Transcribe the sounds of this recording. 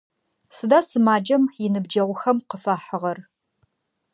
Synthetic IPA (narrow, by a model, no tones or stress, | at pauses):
sɨdaːsɨmaːd͡ʒɐmjɪnɨbd͡ʒɐʁʷʊxɐmqəfaːħəʁɐr